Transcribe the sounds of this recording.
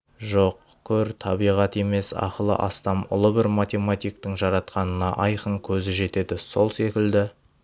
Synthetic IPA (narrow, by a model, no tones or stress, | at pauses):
ʒoq | kʲʰɵɾt̪ʰɑbijʁɑt̪e̞me̞sɑ̰qəlˠə̰ʔɑst̪ɑmʊ̰lˠəbɪɾmat̪ʲe̞mat̪ʲijk̚t̪ɪŋʒɑɾɑt̪qɑnənɑ̰ʔɑjqəŋkʲʰɵzɪʒe̞t̪e̞d̪ɪso̞lˠse̞kʲɪld̪ɪ